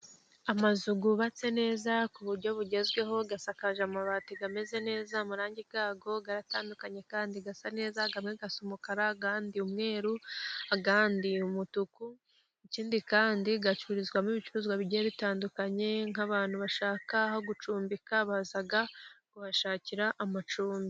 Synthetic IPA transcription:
amazuɡuβat͡se̞ne̞ːzakuβuɾɟo̞βuɟe̞zɡwe̞ɦo̞ɡasakaʒamaβatiɡame̞ze̞ne̞ːzamuɾaːɲɟibɡaːɡo̞ɡaɾataːndukaɲe̞kaːndiɡasane̞ːzaɡamŋe̞ɡasomukaɾaɡaːndiumŋe̞ːɾuaɡaːndiumutuku | iciːndikaːndiɡat͡ʃuɾizɡwamiβit͡ʃuɾuːzɡwaβiɟieβitaːndukaɲe̞ŋ̥aβaːn̥huβaʃaːkahoɡut͡ʃuːmbikaβazaɡakuhaʃaːciɾaʔamat͡ʃuːmbi

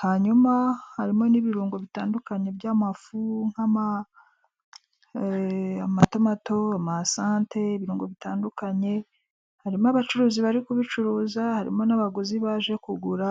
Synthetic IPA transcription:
haɲumahaɾimo̞niβiɾuːŋɡo̞βitaːndukaɲe̞bɟaːmafuŋ̥hama | amatomato̞amasaːnte̞ːβiɾuːŋɡo̞βitaːndukaɲe̞ | haɾimoaβat͡ʃuɾuːziβaɾikuβit͡ʃuɾuːzahaɾḭmo̞naβaɡoziβaːʒe̞kuɡuɾa

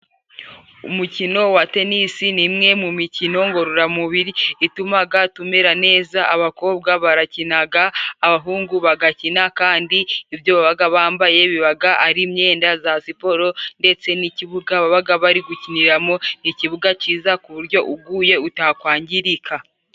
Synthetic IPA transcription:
ṵmucino̞wate̞nisinimŋe̞mumicino̞ŋɡo̞ɾoɾamuβiɾiitumaɡatumeɾane̞ːzaaβako̞ːbɡaβaɾacinaɡaːβaɦuːŋɡuβaɡacinakaːndiivjo̞βaβaɡaβaːmbaje̞βiβaɡaʔaɾimɲe̞ːndazasipo̞ɾo̞nde̞t͡se̞niciβuɡaβaβaɡaβaɾiɡuciniɾamo̞niciβuɡaciːzakuβuɾɟo̞ʔuɡuːje̞utakwaːɲɟiɾikʰa

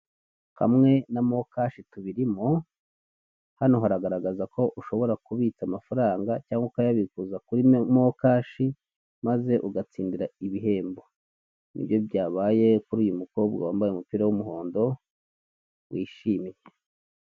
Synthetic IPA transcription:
ha̰mŋe̞namo̞kaːʃituβiɾimo | hanohaɾaɡaɾaɡazakʰo̞ʔuʃo̞βo̞ɾakuβit͡samafaɾaːŋɡacaːŋɡokajaβikuzakuɾimokaːʃi | maze̞ʔuɡat͡siːndiɾaiβiɦe̞ːmbo̞ | nḭbjo̞bjaːβaːje̞kuɾuːjumuko̞bɡa̰wa̰ːmbajeumupiːɾawumuɦo̞ːndo̞ | wʔiːʃiːmije

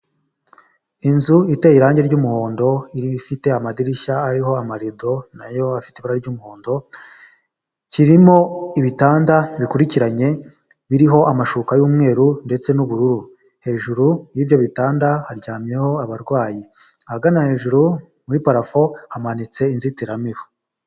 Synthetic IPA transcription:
inzuitejiɾaːɲɟeɾɟuːmuho̞ːndo̞iɾifite̞amadiɾiçaːɾiɦo̞amaɾido̞najo̞afi̥teβuɾaɾɟuːmuho̞ːndo̞ | ciɾimo̞iβitaːndaβikuɾiciɾaɲe̞ | βiɾiɦo̞ʔamaʃukajuːmŋe̞ːɾunde̞t͡se̞nuβuɾuɾu | he̞ʒuɾujiːbjo̞βitaːndahaɾɟaːmje̞ho̞aβaɾɡwaːji | ahaɡanahe̞ʒuɾu | muɾipaɾafo̞hamanit͡se̞inzitiɾamiβo

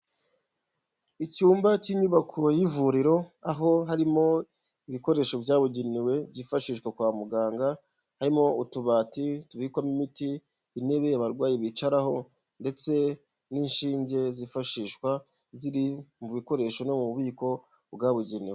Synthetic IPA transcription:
icuːmbaciɲuβakʰojivuɾiɾo̞aɦo̞ɦaɾimo̞ | iβiko̞ɾe̞ʃo̞vjaːβuɟeniwe̞bɟifaʃiːʃkwakwaːmuɡaːŋɡa | haɾimo̞utuβaːtituβikwamimitiː | ne̞βe̞jaβaɾɡwaːjiβit͡ʃaɾaɦo̞ | nde̞t͡se̞ | niːnʃiːɲɟe̞zifaʃiːʃkwa | ziɾimuβiko̞ɾe̞ʃo̞nomuβuβiːko̞ | bɡaβuɟeniwe

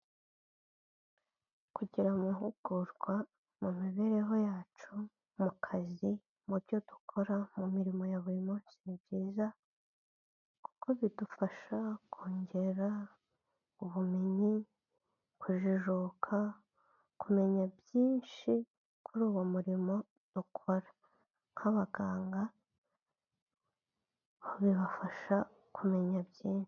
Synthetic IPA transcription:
kuɟiɾamuɦuɡ̥uɾɡwa | mumiβe̞ɾe̞ɦo̞jaːt͡ʃu | mukʰazi | muɾɟo̞d̥u̥kʰo̞ɾamumiɾimo̞jaβuɾimonsiibɟiːza | ku̥ko̞βidufaʃakʰoːɲɟe̞ɾa | uβume̞ɲi | kʰuʒiʒokʰa | kume̞ɲabjiːnʃi | kuɾuːwomuɾimo̞ | d̥ukʰo̞ɾḁ | ŋ̥haβaɡaːŋɡa | oβiβafaʃa | kʰume̞ɲabjiːnʃi̥

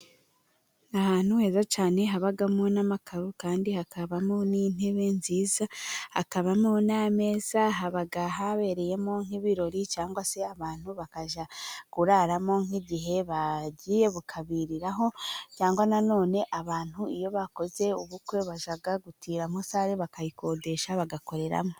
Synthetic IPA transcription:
nahaːn̥huhe̞ːzat͡ʃaːne̞ɦaβaɡamonamakʰaɾukaːndihakaβamonin̥e̞βe̞nziːzaha̰kaβamoname̞ːz̥aɦaβaɡaɦaβe̞ɾe̞je̞mo̞ŋ̥iβiɾo̞ɾit͡ʃaːŋɡwase̞aβaːn̥huβakaʒakuɾaɾamo̞ŋiɟiɦe̞βaɟije̞βukʰaβiɾiɾaɦo̞t͡ʃaːŋɡwanano̞ːne̞ʔaβaːn̥huijo̞βako̞ze̞uβukwe̞βaʒaɡaɡutʰiːɾamosaːɾeβakajiko̞ːde̞ʃaβaɡako̞ɾe̞ɾa̰mo

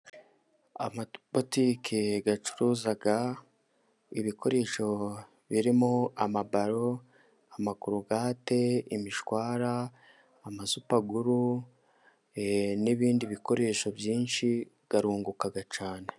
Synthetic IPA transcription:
a̰mabotiːkʰiɡat͡ʃu̥ɾuːzaɡa | iβikʰo̞ɾe̞ːʃo̞ | βiɾimoamabaɾo̞ | amakuɾuɡaːte̞imiʃwaːɾaː | mazupaɡuɾu | niβiːndiβiko̞ɾe̞ːʃo̞bjiːnʃi | ɡ̥aɾuːŋɡukaɡat͡ʃaːne̞

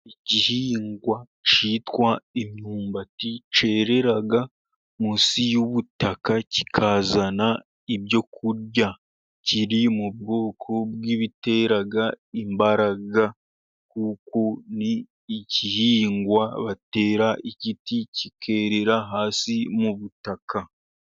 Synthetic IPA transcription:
icihiːŋɡwa | ciːtwaimɲuːmbatit͡ʃe̞ːɾe̞ɾaɡa | musijuβutakaci̥kʰaːzana | ibjo̞kuɾɟa | ciɾimub̚ɡo̞ːkʰobɡiβite̞ːɾaɡa | imbaɾaɡa | kuːkoniː | cihiːŋɡwaβate̞ːɾaʔiciticikʰe̞ːɾe̞ɾaɦaːsimuβutakʰa

